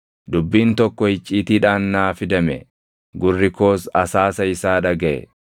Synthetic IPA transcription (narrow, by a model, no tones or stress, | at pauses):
d̪ʊbːiːnt̪ɔkːɔhɪt͡ʃʼːiːt̪iːᶑaːnːaːfɪd̪ɐmɛ | ɡʊrːɪko̞ːsɐsaːsɐɪsaːᶑɐɡɐʔɛ̰